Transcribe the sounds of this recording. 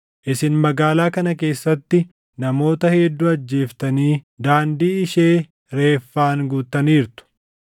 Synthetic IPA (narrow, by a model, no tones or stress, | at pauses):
ʔɪsɪnmɐɡaːlaːkɐnɐke̞ːsːɐt̪ːɪ | nɐmo̞ːt̪ɐheːd̪ːuːɐd͡ʒːe̞ːft̪ɐniː | d̪aːnd̪iːɪʃe̞ː | ɾe̞ːfːaːŋɡuːt̪ːɐniːɾt̪ʊ̥